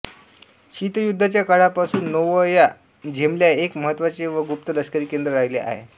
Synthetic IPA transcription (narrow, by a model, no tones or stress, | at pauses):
ɕit̪jud̪ʱːat͡ɕjakaɽapasuːnːəʋəja | d͡ʑʱemljaekməɦət̪ːʋat͡seʋəɡup̚t̪ələskəɾiːkend̪ɾəɾaɦjleʔa̰ɦḛ